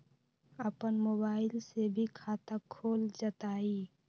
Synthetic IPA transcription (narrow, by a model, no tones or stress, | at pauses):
əpənmoːbaːɪlsebʱikʰaːt̪akʰoːld͡ʒət̪aːiː